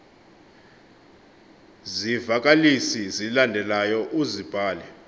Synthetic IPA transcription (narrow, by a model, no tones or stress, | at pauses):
zivak̬ʼalisizilandʱɛlajɔʔuzib̥ʱaːlɛ